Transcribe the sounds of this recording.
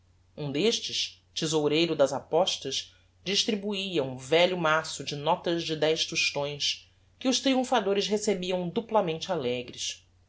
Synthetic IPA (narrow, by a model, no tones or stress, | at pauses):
ũd̪eʃt͡ʃɪʃ | t͡ʃizowɾejɾʊd̪ɐzapɔʃt̪ɐʃ | d͡ʒiʃt̪ɾibuiɐũvɛʎʊmasʊd͡ʒɪnɔt̪ɐzd͡ʒɪd̪ɛjʃt̪uʃt̪õj̃s | kɪʊʃt̪ɾiũfad̪oɾɪʃɦesebiɐ̃w̃d̪uplɐmẽnt͡ʃɪalɛɡɾɪs